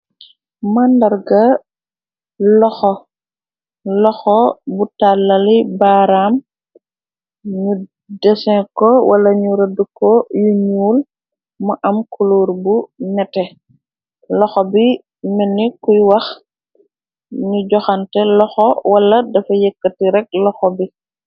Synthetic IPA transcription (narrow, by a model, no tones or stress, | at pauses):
mandɐrɡɐ | lɔxɔ | lɔxɔbutalːɐlibaːɾam | ɲu | dɛsɛŋkɔwɐlɐɲuɾɐdukɔjuɲuːl | mɐʔɐmkʰuloːɾbunɛtɛ | lɔxɔbi | mɛnːikujwɐx | ɲuɟɔxantɛlɔxɔwɐlːɐdɐfɐjɛkːətiɾɛk̚lɔxɔbi